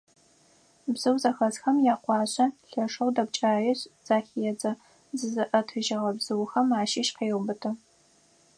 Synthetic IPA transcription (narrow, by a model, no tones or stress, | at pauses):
bzɨwzɐxɐzxɐmjaːqʷɑːɕʼɐɬɐʂɐwdɐb̚t͡ʃʼaːjɛɕz̥aːxijɛd͡zɐ | zɨzɨʔɐtʰɨʒɐʁɐbzɨwxɐmaːʃiːʃqeːʁbɨtʰɨ